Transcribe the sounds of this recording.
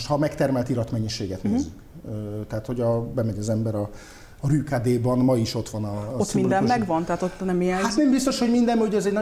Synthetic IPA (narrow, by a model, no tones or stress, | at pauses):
ʃhɒmɛkt̪ɛrmɛlt̪iɾɒt̪mɛɲːiʃeːɡɛt̪neːzykøt̪ɛɦat̪ho̞ɟɒbɛmɛɲɒzɛmbɛɾɒ | ryːkaːd̪eːbɒnmɒiʃo̞t̪ʋɒnɒomind̪ɛmmɛɡvɒnt̪ɛɦat̪ot̪ːnɛmijɛnat̪ɛmbist̪oʃhoɟmind̪ɛmoɟɛzɛɟnɒ